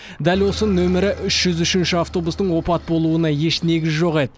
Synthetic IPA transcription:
d̪ælwo̞sənɵmɪɾɪʔʏʃʒ̥ʏzʏʃɪnʃɪaft̪o̞bust̪əɴwo̞pɑt̪̚bo̞lˠuənɑje̞ʃne̞ɡʲɪzʒo̞ʁe̞d̪ɪ

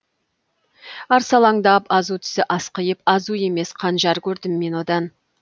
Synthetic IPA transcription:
ɑɾsɑlˠɑŋd̪ɑpɑzut̪ʰʏ̥sɪʔɑsqəjəpɑzue̞me̞sqʰɑnʒɑɾkʲʰɵɾd̪ɪmːe̞nwo̞d̪ɑn

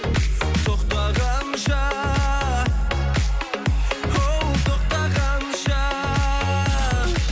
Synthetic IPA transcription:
t̪ʰoχt̪ɑʁɑmʃɑ | hot̪ʰoχt̪ɑʁɑmʃɑ

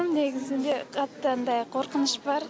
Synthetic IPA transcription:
mne̞ɡʲɪzɪnd̪eqʰɑt̪ːənd̪ɑjqʰoɾqənəʃbɑɾ

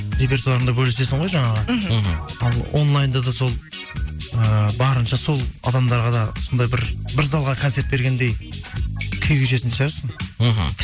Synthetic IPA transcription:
ɾe̞pʲe̞rt̪uɑɾənd̪ɑbɵlese̞sɪɴʁojʒɑɴɑʁə | ɑlˠo̞̰nlˠajnd̪ɑd̪ɑso̞lˠ | əbɑɾənʃɑso̞lˠɑ̰d̪ɑmd̪ɑɾʁɑd̪ɑʊsnd̪ɑjbɪɾbɪɾzɑlˠʁɑkʰo̞ne̞ɾt̪̚be̞ɾɡʲe̞nd̪e̞j | kʲʰʏjkʲʰʏʃe̞sɪnd̪eʒɑɾɑsəɴɦ

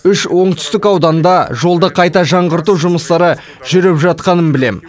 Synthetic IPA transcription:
ʏʃwo̞ɴt̪ʏ̥st̪ɪkɑwd̪ɑnd̪ɑʒo̞lˠd̪əqʰɑjt̪ɑʒɑɴʁəɾt̪̬uwʒʊməst̪ɑɾə | ʒʏɾɪpʒɑt̪̚qɑnənbɪle̞m

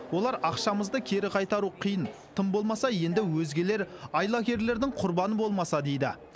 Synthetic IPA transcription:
wo̞lˠɑɾɑqʃɑməzd̪əkʲʰe̞ɾɪqʰɑjt̪ɑɾuqʰijənt̪ʰəmbo̞lˠmɑsɑje̞nd̪ɪwɵzɡʲe̞le̞ɾɑjlˠɑkʲe̞ɾle̞ɾd̪ɪŋqʰʊɾbɑnəbo̞lˠmɑsɑd̪e̞jd̪ɪ̰

